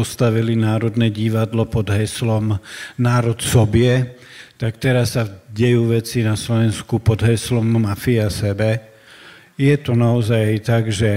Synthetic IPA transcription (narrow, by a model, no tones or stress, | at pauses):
ɔst̪aʋilinaːɾɔd̪nɛɟiʋad̪lɔpɔd̪ɦɛslɔmnaːɾɔt̪sɔbɪɛ | t̪akt̪ɛɾasːaɟɛjuːʋɛt͡sinaslɔʋɛnskupɔd̪ɦɛslɔmːafiasɛbɛ | jɛt̪ɔnaɔzajt̪aɡʒɛ